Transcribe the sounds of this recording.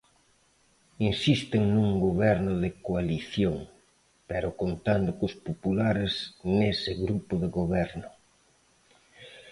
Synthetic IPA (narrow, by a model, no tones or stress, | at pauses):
insist̪ɪŋnuŋɡoβɛɾnʊðɪkoaliθjoŋ | pɛɾʊkont̪and̪ʊkʊspopulaɾeznesɪɣɾupʊðɪɣoβɛɾnʊ